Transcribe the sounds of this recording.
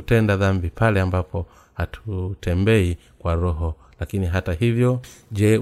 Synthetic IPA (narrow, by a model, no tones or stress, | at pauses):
utɛndaðambipalɛambapɔ | hatʰutʰɛmbɛi | kwaɾɔɦɔ | lakiniɦatahivjɔʄɛ